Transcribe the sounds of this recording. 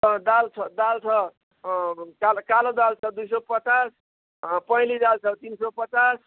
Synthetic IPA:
ʌd̪alt͡sʰʌd̪alt͡sʰʌ | kalkalod̪alt͡sʰʌd̪ujs̬ʌpʌt͡sas | pʌjlid̪alt͡sʰʌt̪insʌpʌt͡sas

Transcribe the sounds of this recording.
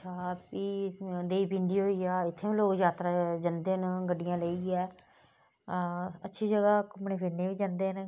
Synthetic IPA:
t͡ʃʰaːpiːd̪eːiːbĩndiːɦoːiːaːɪt̪ʰːeːʋĩːloːkd͡ʒaːt̪ɾaːd͡ʒənd̪eːnɡəɖːɪjãːləiːɛː | ətːʃʰiːd͡ʒəɡaːkʊmneːpʰeːneːʋiːd͡ʒənd̪eːn

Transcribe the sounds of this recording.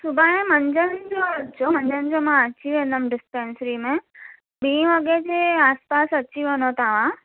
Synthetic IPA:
sʊbʱaːẽmɐ̃ɲd͡ʑənd͡ʑoːd͡ʑomɐ̃ɲd͡ʑənd͡ʑomãɐt͡ɕiʋẽːnd̪əmɖɪspẽːnsɾimẽ | ɓĩːʋɐɡed͡ʑeaːspaːsɐt͡ɕiʋenot̪aːʋ̤ã

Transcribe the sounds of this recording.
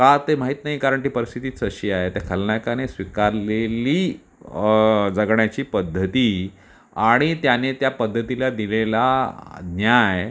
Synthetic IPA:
kat̪emaɦiːt̪naɦiːkaɾəɳʈiːpəɾist̪ʰit̪iːt͡səɕiːaɦet̪akʰəlɳjakanesʋikaɾleliː | d͡zəɡɳjat͡ɕiːpəd̪ʱːət̪iː | aɽ̃it̪janet̪japəd̪ʱːət̪ilad̪ilelanjaj

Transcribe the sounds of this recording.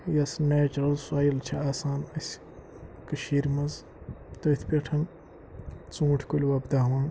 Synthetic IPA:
jɐsneːt͡ʃuɾɐlsaːjilt͡ʃʰɐaːsaːnɐsʲ | kɨʃiːɾmɐz | t̪ɐt̪ʰpʲeʈʰɐn | t͡sũːʈʰkulʲwɐbd̪ɐɦʋaːn

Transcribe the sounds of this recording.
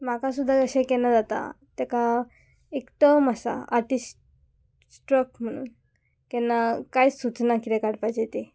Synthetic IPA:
makasud̪ʱːakəɕekɛnad͡zat̪a̰t̪ɛka | ekt̪əmasa̰aɾʈisʈ | sʈɾəkm̤əɽ̃ṵːn | kɛnːakajsut͡snakit̪ɛkaɽpajt͡ɕet̪e

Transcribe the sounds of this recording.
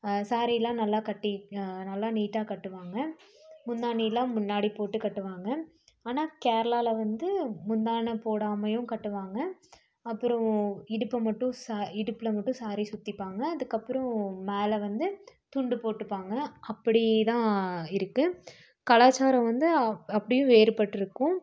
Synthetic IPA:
saːɾɪjɪlːãːnɐlːaːkɐʈːinɐlːaːniːʈːaːkɐʈːɯʋaːŋɡɐ | mʊnd̪aːnɪjɪlːãːmʊnːaːɽipoːʈːɯkɐʈːɯʋaːŋɡɐ | aːnaːkeːɾɐlaːlɐʋɐnd̪ɯmʊnd̪aːnɐpoːɽaːmɐjʊ̃kɐʈːɯʋaːŋɡɐ | ɐpːɯɾɔ̃ɪɽɯpːɐmɐʈːʊ̃saːɪɽɯpːɯlɐmɐʈːʊ̃saːɾisʊt̪ːɪpːaːŋɡɐɐðɯkːɐpːɯɾɔ̃meːlɐʋɐnd̪ɯt̪ʊɳɖɯpoːʈːɯpːaːŋɡɐɐpːɐɽɪt̪ãːɪɾɯkːɯ | kɐlaːt͡ʃːaːɾɐ̃ʋɐnd̪ɯɐpːɐɽɪjʊ̃ʋeːɾɯpɐʈːɪɾɯkːʊ̃

